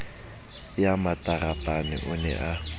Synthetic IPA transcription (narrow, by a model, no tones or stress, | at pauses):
jamatʼarapʼanɪ̰ʔʊnɛ̰ʔa